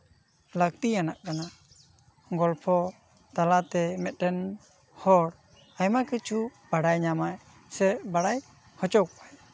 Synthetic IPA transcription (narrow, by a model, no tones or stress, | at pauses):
lak̚t̪ianaʔkana | ɡɔlpʰɔ | t̪alat̪ɛmɛt̪̚ˀʈɛn | hɔɽ | ajmakət͡ʃʰub̥aɽajɲamaj | sɛbaɽaj | hɔt͡ʃɔwkaj